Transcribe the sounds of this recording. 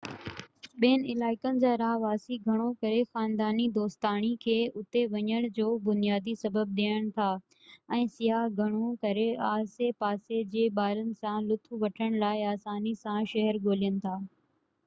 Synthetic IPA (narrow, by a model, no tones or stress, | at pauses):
ɓeːənɪlaːɪkənɪ̆d͡ʑaːɾaːɦʋaːsiɡʱɐɽ̃okɐɾexaːnd̪aːnid̪oːst̪aːɽ̃ikʰeːʊt̪eʋɐɲəɽ̃d͡ʑoːbʊnijaːd̪isɐbəb̚ɗ̪eːəɽ̃t̪ʰaː | ɛ̃ːsijaɦɡʱɐɽ̃okɐɾeaːsepaːsed͡ʑeːɓaːɾənɪ̆sãlʊt̪ʰuʋɐʈʰəɽ̃laːɪaːsaːnisãʃɐɦəɾɡoːlijənɪ̆t̪ʰaː